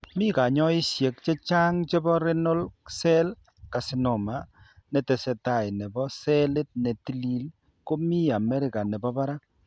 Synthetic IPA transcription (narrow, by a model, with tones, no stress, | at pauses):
mi˦ka˨ɲɔ˦i˦sje˨k̚t͡ʃe˦t͡ʃa˦ŋt͡ʃe˦bɔ˦ɾe˦no˦lsɛ˦l | ka˨sɪ˨no˨ma˨ | nɛ˨tɛ˨sɛ˨ta˨jnɛ˨bɔ˦sɛ˦le˦t̚nɛ˨ti˦li˨l | ko˦mi˦a˨mɛ˦ɾɪ˨ka˨nɛ˨bɔ˦pa˦ɾa˦